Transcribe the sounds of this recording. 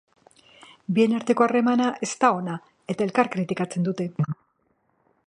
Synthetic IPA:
bie̞naɾt̪e̞ko̞are̞manaʔe̞st̪ao̞na | e̞t̪ae̞lkaɾkɾit̪ikat͡se̞nd̪ut̪e̞

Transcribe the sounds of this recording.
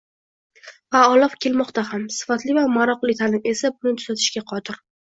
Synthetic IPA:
vaɒlˠɒfkʲʰe̞lmɒqt̪ahamsɪ̥fat̪lɪvamaɾɒqlˠɪt̪ʰalɪne̞sabʊnɪt̪ʰʊz̥at̪ʰɪ̥ʃkʲaqʰɒt̪ʰɪɾ

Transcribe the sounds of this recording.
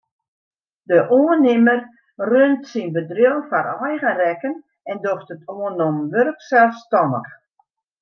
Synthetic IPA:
dəʔoənɪmər | røntsinbədrɪlˠfaɾɔjɣərɛkən | ɛndoxtətʰoənomʋørksɛlˠfstɔnə̰x

